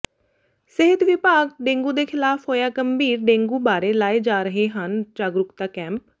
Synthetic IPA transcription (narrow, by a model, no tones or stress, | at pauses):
sɪɦət̪ʋɪpaːɡɖẽːŋɡũːd̪eːkʰɪlaːpʰoːjaːkəmbiːɾɖẽːŋɡuːbaːɾeːlaːeːd͡ʒaːɾəɦeːɦənd͡ʒaːɡɾʊkt̪aːkɛ̃ːmp